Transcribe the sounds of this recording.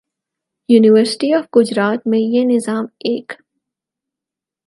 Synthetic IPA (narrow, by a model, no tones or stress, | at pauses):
juːnɪʋəɾsɪ̥ʈiɔːfɡ̥ʊd͡ʒɾaːt̪mẽjenɪzaːmeːk